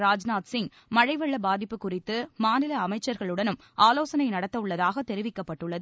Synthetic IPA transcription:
ɾaːd͡ʒnaːʈ̪sɪŋ | mɐɻɐɪʋɐɭːɐbaːðɪpːɯkːʊrɪt̪ːɯmaːnɪlɐɐmɐɪt͡ʃːɐɾɣɐɭɯɽɐnɯm | ʔaːloːsɐnɐɪnɐɽɐt̪ːɐɯɭːɐðaːɣɐt̪ːɛɾɪʋɪkːɐpːɐʈːɯɭːɐðɯ

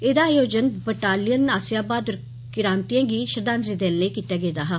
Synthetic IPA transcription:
eːd̪aːjoːd͡ʒənbəʈaːlɪjənaːsɪjaːbaːd̪ɾ | kɪɾãːnt̪ijãːɡiːʃəɾd̪ãːnzid̪eːlneːkiːt̪aːɡeːd̪aːɦaː

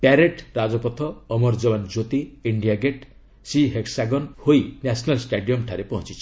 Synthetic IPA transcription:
paɾeʈɾad͡ʒɔpɔt̪ʰɔːmɔɾd͡ʒɔband͡ʒot̪iiɳɖijaɡeʈ | siɦeksaɡɔnhojnasʰɔnalsʈeɖijɔmʈʰaɾepɔɦɔ̃nt͡ʃʰit͡ʃʰi̥

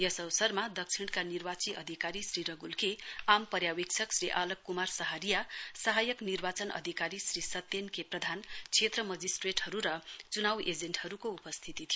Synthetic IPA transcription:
jʌsʌwsʌrmad̪ʌk̚sʰiɽkanirbat͡siʔʌ̰d̪ʱikaɾisɾiɾʌɡulkeampʌɾjawik̚t͡sʰʌksɾiʔalʌkːumarsʌɦaɾijasʌɦajʌknirbat͡sʌnʌ̰d̪ʱikaɾisrisʌt̪ːenkeprʌd̪ʱant͡sʰet̪rʌmʌd͡zisʈreʈɦʌɾuɾʌt͡sunawʔed͡zeɳʈhʌɾukoupʌst̪ʰit̪it̪ʰij

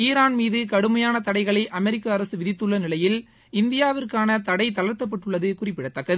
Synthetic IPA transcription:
iːɾaːnmiːðɯkɐɽɯmɐjaːnɐt̪ɐɽɐɪɣɐɭɐɪʔɐmɛɾɪkːɐːɾɐsɯʋɪðɪt̪ːɯɭːɐnɪlɐjɪl | ɪnd̪ɪjaːʋɪrkaːnɐt̪ɐɽɐɪt̪ɐlɐɾt̪ːɐpːɐʈːɯɭːɐðɯkʊrɪpːɪɽɐt̪ːɐkːɐðɯ

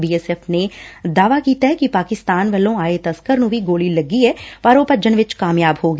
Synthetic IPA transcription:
biːɛːsɛːfned̪aːʋakiːt̪aɦɛkipaːkɪst̪aːnʋɐlõaːet̪ɐskəɾnũbʱiɡoːlilɐɡiɦɛpaːɾoːpəd͡ʒənʋɪt͡ʃkaːmjaːbhoːɡ

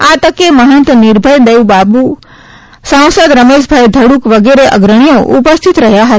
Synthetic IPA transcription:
at̪əkeməɦə̃nt̪əniɾbʱəjd̪ejʋbabu | sãw̃səd̪ɾəmeʃbʱajd̪ʱəɽukʋəɡeɾeʔə̰ɡɾəɽ̃ijoʔṵpəst̪ʰit̪ɾəɦjaɦət̪

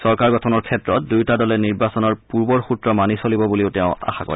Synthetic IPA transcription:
sɔɹkaɹɡɔtʰɔnɔɹkʰɛtɹɔt̚dujtadɔlɛniɹbasɔnɔɹpuɹbɔɹxutɹɔmanisolibɔbuliʊtɛʊ̃a̰xakɔ̰ɹ

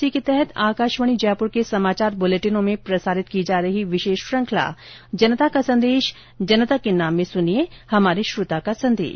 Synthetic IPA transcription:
siket̪ɛɦɛt̪ʰaːkaːʃʋəɽ̃id͡ʒɛːpʊɾkesɐmaːt͡ʃaːɾbʊleːʈɪnõmẽpɾɐsaːɾɪt̪̚kid͡ʒaːɾɐɦiʋɪʃeːʃpɾɐ̃ŋkʰla̰ːd͡ʒɐnət̪akasɐ̃nd̪eːʃ | d͡ʒɐnət̪akenaːmːẽsʊniehɐmaːɾiʃɾʊt̪akasɐ̃nd̪ḛːʃ

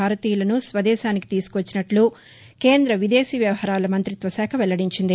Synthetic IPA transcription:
aːɾɐt̪iːjulɐnusʋɐd̪ɛːʃaːniki̥t̪iːsu̥kʋɐt͡ʃːinɐʈlu | ke̞ːnd̪ɾɐʋid̪eːsiːʋjɐʋɐhaːɾaːlɐmɐnt̪ɾit̪ʋɐsaːkʰɐʋɛlːɐɽiɲt͡ʃind̪i

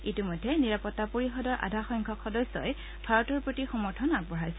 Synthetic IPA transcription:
itimɔjdʱːɛniɹapɔtːapoɹixɔdɔɹʔa̰dʱaxɔjŋkʰɔkʰːɔdɔsɔ̰j | b̥ʱaɹɔtɔɹpɹotixɔmɔɹtʰɔnabɔɹajsɛ

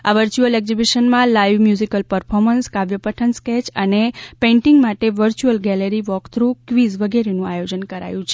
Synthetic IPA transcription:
aʋəɾt͡ʃuəlɛɡzibiʃənmãlajʋmjuzikəlpəɾfʰɔɾmənskaʋjəpəʈʰənskɛt͡ʃənepẽɳʈiŋɡmaʈeʋəɾt͡ʃuəlɡɛləɾiʋɔkt̪ʰɾukʋizʋəɡɛɾenũajod͡ʒənkəɾa̰jũt͡ʃʰe

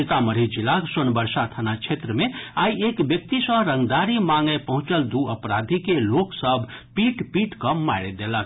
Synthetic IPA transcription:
ɪt̪aməɾid͡ʒilasonbəɾsat̪ʰənat͡ʃʰet̪ɾəmẽaːiekbjək̚t̪isə̃ɦɾə̃ŋɡd̪aɾimaŋɡepəɦʊ̃t͡ʃəld̪uəpɾad̪ʱikeloksəbʱpiʈpiʈkəmaɪɾed̪elək̪

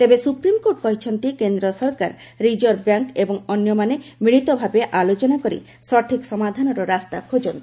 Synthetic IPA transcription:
t̪ebesupɾimkoʈ̚kɔɦit͡ʃʰɔnt̪ikend̪ɾɔsɔɾkaɾ | ɾid͡ʒoɾbjaŋkebɔŋɔnːjɔmanemiɽ̃it̪obʱabeʔalot͡ʃonakoɾḭ | sɔʈʰiksɔmad̪ʱanɔɾɔɾast̪akʰod͡ʒon

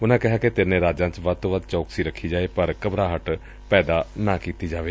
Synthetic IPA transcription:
ʊnãːkɪɦaːket̪ɪnẽːɾaːd͡ʒãːt͡ʃʋəd̪̚t̪oːʋəd̪t͡ʃɔːksiːɾəkʰːiːd͡ʒaːeːpəɾkəbɾaːɦəʈ | pɛːd̪aːnãːkiːt̪iːd͡ʒaːʋeː

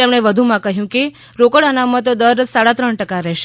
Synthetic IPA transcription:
emɳ̃eʋəd̪ʱumãkəɦjũke | ɾokəɽənamət̪d̪əɾsaɽat̪ɾəɳʈəkaɾɛʃe

